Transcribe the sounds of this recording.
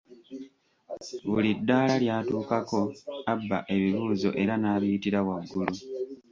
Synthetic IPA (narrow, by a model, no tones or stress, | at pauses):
βulidːaːlaljaːtuːkako̞abːa̰ʔe̞βiβuːzo̞̰ʔe̞ɾanaːβijitiɾaβwaɡːulu